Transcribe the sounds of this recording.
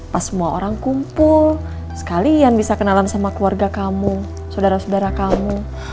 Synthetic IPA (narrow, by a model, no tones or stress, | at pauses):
pasəmuao̰ɾaŋkumpʊl | sə̥kalianbisakənalansamakluarɡakamu | sodaɾasodaɾakamu